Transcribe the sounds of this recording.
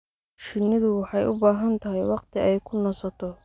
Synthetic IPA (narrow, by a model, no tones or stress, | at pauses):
ʃɪnɪðʊwɑħɑjʊbaːɦɐnt̪ʰɐɦɛjwɑqt̪ʰɪɛjkʰʊnɔsɐt̪ʰɔ